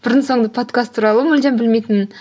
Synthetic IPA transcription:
b̥ɪɾd̪ɪnso̞ɴd̪ɑpʰo̞t̪kʰast̪ʰːuɾɑlˠəmʊlʲd͡ʒ̪embɪlme̞jt̪ɪn

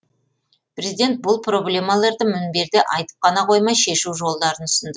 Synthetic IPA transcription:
pɾʲezid̪ʲe̞nt̪̚bʊlˠpʰro̞blʲe̞mɑlˠɑɾd̪əmɪnbe̞ɾd̪ɪʔɑjt̪ə̥p̚qɑnɑqʰo̞jmɑjʃe̞ʃuwʒo̞lˠd̪ɑɾənʰʏ̥sɪnd̪ə

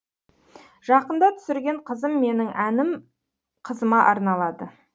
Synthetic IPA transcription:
ʒ̥ɑqənd̪ɑt̪ʰʏ̥sɪɾɡʲe̞ɴqʰəzəmːe̞nɪŋʔænɪm | qʰəzəmɑʔɑɾnɑlˠɑd̪ə

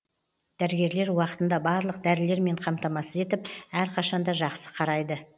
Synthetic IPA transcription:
d̪̥æɾɪɡʲe̞ɾle̞ɾwɑqət̪ənd̪ɑbɑɾlˠəq̚d̪æɾɪle̞ɾme̞ɴqʰɑmt̪ɑmɑsəze̞t̪ɪpæɾqʰɑʃɑnd̪ɑʒɑqsə̥qʰɑɾɑjd̪ə

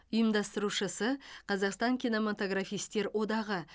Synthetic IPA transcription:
ʊjəmd̪ɑst̪əɾuʃəsəqʰɑzɑqst̪ɑŋkʲino̞mat̪o̞ɡrafijst̪e̞ɾwʔo̞d̪ɑʁə

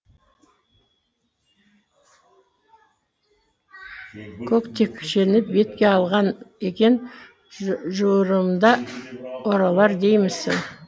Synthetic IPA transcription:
kʲʰɵkt̪ʰe̞kʲːʰʏ̥ʃenɪp̚be̞t̪kʲe̞ɑlˠʁɑnekʲe̞n | ʒuɾəmd̪ɑ | oɾɑlˠɑɾd̪e̞jmɪsɪ̰ŋ

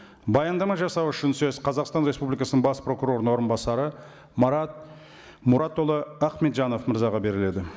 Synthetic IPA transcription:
bɑjɑnd̪ɑmɑʒɑsɑwʏʃɪnsɵz̥qʰɑzɑqst̪ɑnɾespublijkɑsənəɴbɑspro̞kuɾo̞ɾnwo̞ɾənbɑsɑɾə | mɑɾɑt̪̚ | mʊɾʔɑt̪ːo̞lˠəɑqme̞t̪ʒɑno̞fməɾzɑʁɑbe̞ɾɪle̞d̪ɪ

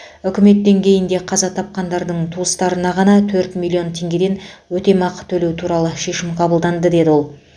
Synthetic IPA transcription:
ʏkʲɪme̞t̪ːe̞ŋkʲʰe̞jɪnd̪e̞qʰɑzɑt̪ʰɑp̚qɑnd̪ɑɾd̪əɴt̪ʰuəst̪ɑɾənɑʁɑnɑt̪ʰɵɾt̪mʲilʲˠːio̞nt̪ʰe̞ŋɡʲe̞d̪e̞nwɵt̪e̞mɑqət̪ʰɵle̞wt̪ʰuɾɑlˠəʃe̞ʃɪmqʰɑbəlˠd̪ɑnd̪əd̪e̞d̪ɪwo̞lˠ

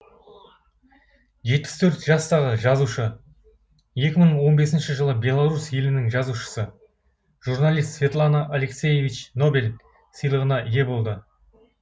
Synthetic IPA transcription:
ʒe̞t̪̚pɪst̪ʰɵɾt̪ʒ̥ɑst̪ɑʁəʒɑzuʃə | je̞kʲɪməɴwo̞nbe̞sɪnʃɪʒəlˠəbʲe̞lˠaɾusje̞lɪnɪŋʒɑzuʃə̥sə | ʒurnalˠijst̪svʲe̞t̪lˠanaʔale̞ksʲe̞je̞vʲit͡ʃno̞bʲel | səjlˠəʁənɑʔɪje̞bo̞lˠd̪ə

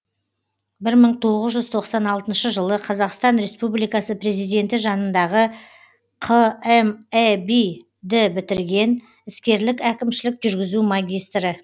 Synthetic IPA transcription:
bɪɾməɴt̪ʰo̞ʁəzʒʏz̥t̪ʰo̞qsɑnɑlˠt̪ənʃəʒəlˠəqʰɑzɑqst̪ɑnɾe̞spublijkɑsəpre̞zijd̪e̞nt̪ɪʒɑnənd̪ɑʁə | qʰəemebi | d̪ɪbɪt̪ɪɾɡʲe̞n | ɪskʲe̞ɾlɪkækʲɪmʃɪlɪkʒʏɾɡʲɪzumɑɡʲijst̪ɾə

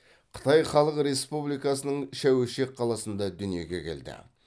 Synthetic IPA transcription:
qʰə̥t̪ʰɑjχɑlˠəqɾe̞spublijkɑsənəɴʃæweʃe̞k̚qʰɑlˠɑsənd̪ɑd̪ʏnije̞ɡʲe̞̰kʲʰe̞̰ld̪ɪ̰

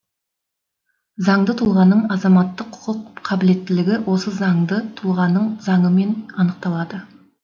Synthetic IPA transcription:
zɑɴd̪ət̪ʰulˠʁɑnːəɴɑzɑmɑt̪ːəqʰːʊ̥qʰəqqʰɑbɪle̞t̪ːɪlɪɡʲɪwʔo̞səzɑɴd̪ət̪ʰulˠʁɑnːəɴzɑɴəme̞nɑnəq̚t̪ɑlˠɑd̪ə

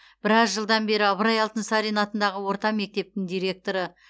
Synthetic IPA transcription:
b̥ɪɾɑzʒəlˠd̪ɑnbe̞ɾɪɑβəɾɑjɑlˠt̪ənsɑɾijnɑt̪ənd̪ɑʁəwo̞ɾt̪ɑme̞k̚t̪e̞p̚t̪ɪŋd̪ijɾe̞k̚t̪o̞ɾə

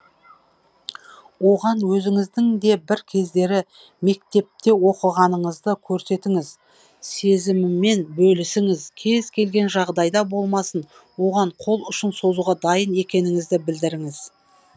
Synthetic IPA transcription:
wo̞ʁɑnwɵzɪŋɪzd̪ɪŋd̪e̞bɪɾkʲʰe̞zd̪e̞ɾɪ | me̞k̚t̪e̞p̚t̪e̞wo̞qəʁɑnəɴəzd̪əkʲʰɵɾse̞t̪ɪŋɪz | se̞zɪmɪmːe̞nbɵlɪsɪŋɪzkʲʰe̞zkʲʰe̞lɡʲe̞nʒɑʁd̪ɑjd̪ɑbo̞lˠmɑsən | wo̞ʁɑɴqʰo̞lˠʏʃənso̞zuʁɑd̪ɑjəne̞kʲe̞nɪŋɪzd̪ɪbɪld̪ɪɾɪŋɪz

